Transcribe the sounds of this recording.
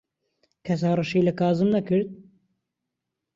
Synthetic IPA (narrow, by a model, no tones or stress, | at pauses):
kʰɛs̬ɑːrɨʃiːlɐkɑːzɨmnɐkɨɾd̪̚